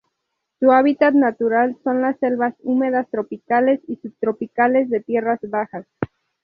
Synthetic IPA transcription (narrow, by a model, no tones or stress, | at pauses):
suaβ̞it̪at̪nat̪uɾalso̞nlasːe̞lβasume̞ðast̪ɾo̞pikale̞sisub̚t̪ɾo̞pikale̞zðe̞t̪je̞razβaxas